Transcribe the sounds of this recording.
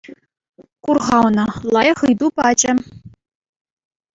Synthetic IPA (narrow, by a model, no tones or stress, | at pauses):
kurʁɑwnɤ̆lˠɑjχɯjd̪upɑd͡ʑɘ̆